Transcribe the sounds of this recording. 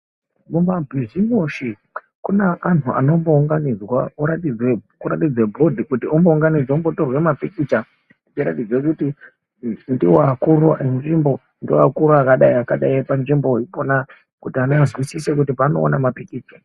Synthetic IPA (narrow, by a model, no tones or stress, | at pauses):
momabʱizimuʃi | kuneʔanʰuʔa̰no̞mbo̞uŋɡanid͡zwa̰uɾatid͡zwekuɾatid͡zwebʱo̞dʱikutiombouŋɡanid͡zaombo̞to̞rwe̞mapikit͡ʃa | it͡ʃiɾa̰tid͡zekuti | ndiwakuɾoenʐimbo̞ | ndiwa̰kuɾoakaɗaiakaɗaipanʐimbo̞ipona | kutianazwisisek̬utipaːno̰ːnamapikiːt͡ʃa